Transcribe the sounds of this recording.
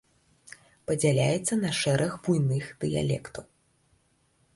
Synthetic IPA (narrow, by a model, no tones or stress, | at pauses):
pɐd͡zʲalʲajɛt̪sːɐnɐʂɛɾʔɐxbujnɨxd̪̥ɨja̰lʲɛ̰kt̪ɐw